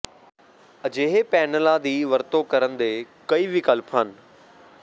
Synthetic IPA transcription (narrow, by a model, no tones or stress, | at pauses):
ɐd͡ʑeːɦepɛːnəlad̪iːʋɐɾt̪okɐɾə̃nd̪eːkɐiːʋɪkəlpʰɦənɪ̆